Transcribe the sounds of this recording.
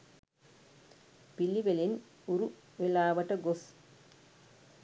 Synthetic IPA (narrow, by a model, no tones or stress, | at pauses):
pilːiʋelin | uɾu | ʋelːaːʋɐʈːɐɡos